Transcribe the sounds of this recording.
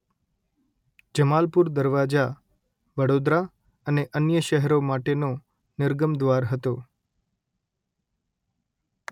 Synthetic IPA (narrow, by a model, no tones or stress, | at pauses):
d͡ʒəmalpuɾd̪əɾʋad͡ʒa | ʋəɽod̪ɾa | əneʔənjəʃəɦɾomaʈeno | nɪɾɡəmd̪ʋaɾɦət̪o